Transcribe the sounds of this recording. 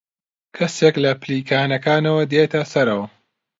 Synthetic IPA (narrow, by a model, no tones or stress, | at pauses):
kʰɐseklɐpʰliːkʰaːnɐkaːnɐwɐd̪eːt̪ʰɐsɐɾɐwɐ